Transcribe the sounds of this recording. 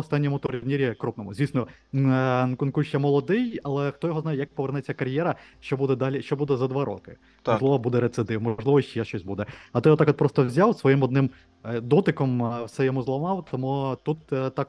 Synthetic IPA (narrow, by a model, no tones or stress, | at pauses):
ɔst̪ɑnʲːɔmʊt̪ɔɾʲʋʲnʲiɾʲikɾɔpnɔmʊzʲʋʲisnɔ | nkɔnkuʃjamɔlˠɔd̪ɪjɐlˠɛxt̪ɔjɔɦɔznajɛjɐk̚pɔʋernɛt͡sʲːɐkɐɾʲjɛɾɐʃt͡ʃɔbud̪ɛd̪ɑlʲiʃt͡ʃɔbud̪ɛzɐd̪ʋɑɾɔ̰kɪ | mɔʒlɪʋɐbud̪ɛɾet̪sɪd̪ɪwmɔʒlˠɪʋɔʃt͡ʃɛjaʃt͡ʃɔsʲbud̪ɛɐt̪ɔjɔt̪ɑkɔt̪̚pɾɔst̪ɔwzʲawsʋɔjimɔd̪̚nɪm | d̪ɔt̪ɪkɔmwsɛjɔmuzlˠɐmɑwt̪ɔmut̪ut̪t̪ɑk